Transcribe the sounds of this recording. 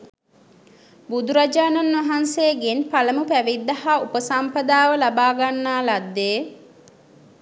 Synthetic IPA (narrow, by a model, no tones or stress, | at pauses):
bud̪uɾad͡ʒaːnɐnːʋɐɦanseːɡenpaləmupæʋid̪ːɐhaupəsampɐd̪aːʋəlabaːɡanːaːlad̪ːeː